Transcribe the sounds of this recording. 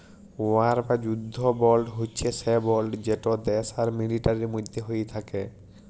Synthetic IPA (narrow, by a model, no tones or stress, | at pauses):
aɾpad͡ʑud̪ʱːobɔlɖɦotːt͡ɕʰesebɔlɖd͡ʑeʈod̪ɛsaɾmiliʈaɾimud̪ʱːeɦojt̪ʰake